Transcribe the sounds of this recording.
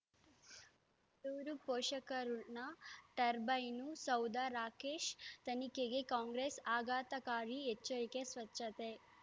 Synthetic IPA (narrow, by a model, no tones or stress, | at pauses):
d̪uʋɾupoːʃɐkɐɾunɐt̪ɐɾbɐjnusɐwd̪aɾaːkeːʃt̪ɐnikeɡekaːŋɡɾeːsaːɡaːt̪ɐkaːɾiet͡ʃːɐɾikesʋɐt͡ʃʃɐt̪e